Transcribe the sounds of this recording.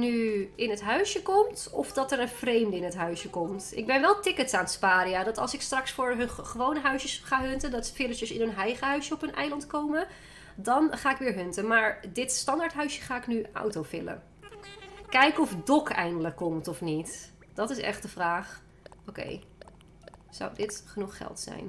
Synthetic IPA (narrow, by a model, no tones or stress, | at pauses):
nyɪnətɦœɥsjəkɔmt | ɔ̰fdɑtəɹənv̥rejmdəɪnɦətɦœɥsjəkɔmtɪ̰ɡ̚bɛnʋɛlˠtɪkətsaːnspaːɾijadɑtɑ̰lˠsɪkstrɑksfʊːɹɦɵnχəʋownəɦœɥsəsχaːɦɵntədɑtfɪləʃjəsɪnənɦɛjχəɦœɥsjəɔpənɛ̰jlɑntkowmə | dɑnχaːɪkʋɪːɹɦɵntəmaːɹdɪtstɑndaɹtɦœɥsjəχaːɪknyʔɔ̰wtowfɪ̰lə̰ | kɛjkɔfdɔkɛ̰jndələkːɔmtɔfnit | d̥ɑtɪsɛ̰χt̚d̥əvraːχ | owkḛj | z̥a̰wdɪtχənuχχɛ̰lˠtsɛ̰jn